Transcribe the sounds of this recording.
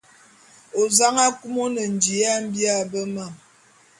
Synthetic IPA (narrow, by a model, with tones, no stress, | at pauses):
o˨za˦ŋa˦ku˦mo˦nə˨n̩˨d͡ʒi˨a˦m̩˦bja˦bə˦ma˦˨m